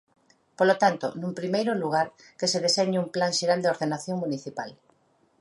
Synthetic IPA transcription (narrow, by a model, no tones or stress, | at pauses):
polot̪ant̪o̰nũmpɾimejɾʊluɣ̞aɾ | keseðeseɲumplaŋʃeɾald̪eoɾðenaθjoŋmuniθipal